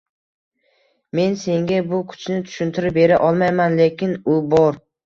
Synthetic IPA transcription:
me̞nse̞ŋɡʲabʊkʰʊ̥t͡ʃʰnɪt̪ʰʊ̥ʃʊnt̪ʰɪɾɪp̚be̞ɾaʔɒlˠmajmanlekʲɪnʊbɒɾ

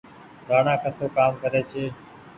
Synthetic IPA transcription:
ɾaːnãːkəsoːkaːmkəɾeːt͡ʃʰeː

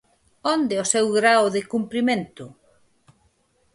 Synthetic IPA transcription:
ond̪eosewɣɾaoðɪkumpɾimẽnt̪ʊ

